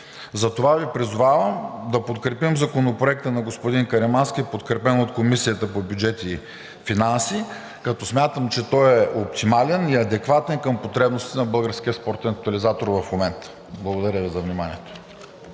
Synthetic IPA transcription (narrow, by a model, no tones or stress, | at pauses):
zɐt̪ovavipɾizʊvavəmd̪ɐpot̪kɾɛpimzɐkonopɾoɛk̚t̪ənɐɡospod̪inkɐɾɛmanskʲipot̪kɾɛpɛnot̪komisijət̪əpobjud͡ʒɛt̪i | finansi | kɐt̪ɔsmʲat̪əmt͡ʃɛt̪ɔɛop̚t̪imalɛniɐd̪ɛkvat̪ɛnkəmpot̪ɾɛbnost̪it̪ɛnɐbɤlˠɡəɾsk̟iəspɔɾt̪ɛnɐk̚t̪ɐlizat̪oɾvɐfmomɛnt̪ə̥ | blˠɐɡod̪ɐɾʲəvizɐvnimanḭɛt̪o̥